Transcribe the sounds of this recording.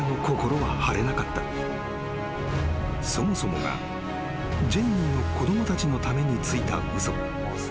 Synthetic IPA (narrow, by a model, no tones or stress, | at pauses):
no̞ko̞ko̞ɾo̞βahaɾe̞nakat̪ːa | so̞mo̞so̞mo̞̰ɡa̰ | d͡ʑẽɲʲːinno̞ko̞d̪o̞mo̞t̪at͡ɕino̞t̪ame̞ɲ̟it͡sɨit̪a̰ | ɯzo̥